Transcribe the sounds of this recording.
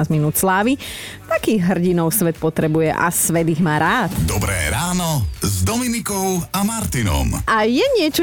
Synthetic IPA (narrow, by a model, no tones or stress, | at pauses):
azminuːt̪slaːʋi | t̪akiːɣɦr̩ɟinɔʊsʋɛt̪̚pɔt̪ɾɛbujɛ̰ʔa̰sʋɛd̪iɣmaːɾaːt̪d̪ɔbɾɛ̰ːɾaːnɔzd̪ɔminikɔʊamaɾt̪inɔ̰mʔajɛɲɪɛt͡ʃɔ